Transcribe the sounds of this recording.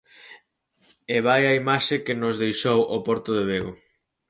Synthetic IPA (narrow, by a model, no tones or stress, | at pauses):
eβajɐimaʃɪkɪnʊzðejʃowʔopɔɾt̪ʊðeβ̞eɣo